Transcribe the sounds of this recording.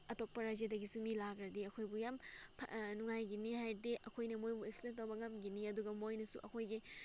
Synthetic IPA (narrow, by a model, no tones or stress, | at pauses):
ɐtok̚pɐɾaziadɐɡisumilaɡɾɐdiɐkʰojbujampʰnuŋajɡinihajdiʔɐkʰojnɐmojbueksilentɐwbɐŋɐmɡiniɐduɡɐmojnɐsṵʔɐkʰojɡi